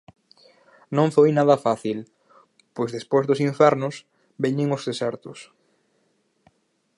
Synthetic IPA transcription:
nõŋfojnaðɐfaθil | pojzðespojzðʊsiɱfɛɾnʊs | bɛɲɪŋʊzðesɛɾt̪ʊs

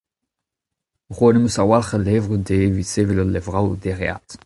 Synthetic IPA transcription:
ʁwoneməsawalχəlevʁədevisevilɔlevʁawdeʁea̰t

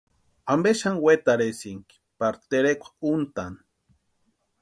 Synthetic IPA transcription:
ambeʃanwet̪aɾesiŋki̥ | paɾt̪eɾekʷḁunt̪an

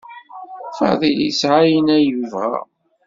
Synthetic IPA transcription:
fɑ̰ðˤilḭsʕajənæjuvæ̰

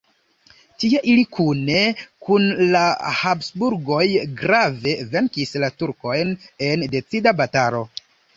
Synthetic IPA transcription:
tieʔilikʰune̞kunlahapsbuɾɡo̞jɡɾave̞ve̞ŋkislatuɾko̞jne̞nde̞t͡sidabataɾo̞

